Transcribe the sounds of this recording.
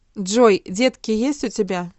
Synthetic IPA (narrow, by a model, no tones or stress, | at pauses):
ʐɔjd͡zʲet̪kʲijesʲt͡sʲut͡sʲabʲa